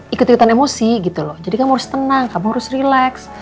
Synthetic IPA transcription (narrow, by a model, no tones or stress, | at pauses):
ikʊt̪ikut̪anemosiɡit̪ulɔhd͡ʒadikanmaɾʊst̪ənaŋkamʊŋhaɾʊsrilaks